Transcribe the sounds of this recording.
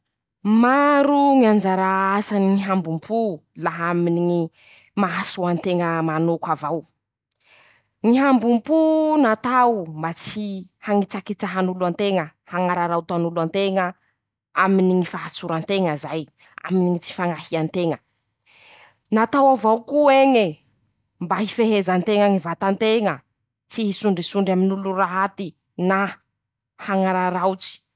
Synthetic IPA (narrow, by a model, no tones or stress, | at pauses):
maɾuŋiand͡ʒaɾaasaniŋiɦambumpʰulaɦaminii | maɦasuant̪eŋəmanokavaw | ŋiɦambumpunat̪awmbat͡sihaŋit͡sakit͡səɦanulant̪eŋəhaŋaɾaɾawt̪anuluant̪eŋə | aminiŋifaɦat͡suɾant̪eŋəzaj | a̰miniŋit͡si̥faŋahiant̪eŋə | nat̪awavawkueŋe | mbahifeɦezant̪eŋəŋivat̪ant̪eŋə | t͡siɦisuɳɖ͡ʐisuɳɖ͡ʐaminuluɾaɦat̪i | na | haŋaɾaɾawt͡si̥